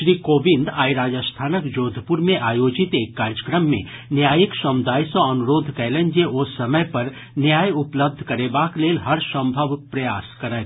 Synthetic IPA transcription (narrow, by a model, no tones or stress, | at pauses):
ʃɾiːkoːʋɪ̃nd̪aːjɾaːd͡ʒəst̪ʰaːnəkd͡ʒoːd̪ʱpuɾmẽʔaːjoːd͡ʒɪt̪eːkːaːɾjəkɾəmːḛ̃ | njaːjiksɐmʊd̪aːjsɔ̃ɐnuɾoːd̪ʱkɛːlə̃nd͡ʒeʔosːɐməjpɐɾ | njaːjʊpləb̚d̪ʱkɐɾeːbaːkleːlɦɐɾsɐ̃mbʱəʋpɾɐjaːskɐɾə